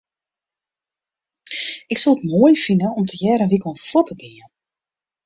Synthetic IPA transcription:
ɪksɔlˠətmoːjfinənɔmtʰəjɛːɾənʋikəl̩ˠənfɔtʰədɪən

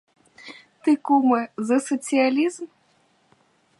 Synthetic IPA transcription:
t̪ɨkumɛzɐsɐt̪sɨjalʲizm

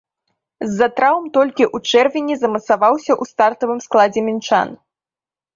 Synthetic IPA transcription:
zːɐt̪ɾawmt̪ɔlʲkʲiʔut͡ʂɛrvʲinʲɛzɐmɐt̪savawsʲɐʔust̪art̪ɐvɨmsklˠad͡zʲɛmʲint͡ʂa̰n

